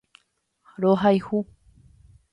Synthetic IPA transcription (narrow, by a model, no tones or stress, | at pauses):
ɾoɦajhu